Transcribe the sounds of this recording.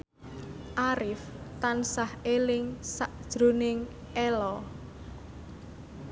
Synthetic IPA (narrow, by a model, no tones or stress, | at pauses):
ʔaɾɪft̪ansahelɪŋsaʔd̥ʒ̥ɾo̤nɪŋ | ɛlɔ